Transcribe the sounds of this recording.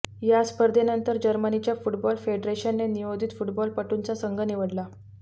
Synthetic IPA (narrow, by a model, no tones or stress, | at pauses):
jaspəɾd̪ʱenənt̪əɾd͡ʑəɾmənit͡ɕjafuʈbɔlfeɖɾeɕənːeniʋod̪ʱit̪fuʈbɔlpəʈunt͡sasəŋɡəniʋəɽla